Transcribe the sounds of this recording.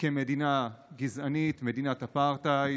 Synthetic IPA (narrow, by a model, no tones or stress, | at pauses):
kemedinaɡizanit̪me̞dinat̪hapaʁtaj